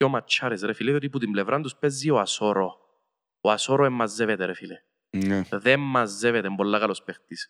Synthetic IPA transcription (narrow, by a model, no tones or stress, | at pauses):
omat͡ʃːaɾesɾefilejot̪iput̪imblevɾʔand̪uspɛzːioasoɾo | oasoɾoemːazːevet̪eɾefile | nɛðɛmːazːevet̪embolːakalospext̪is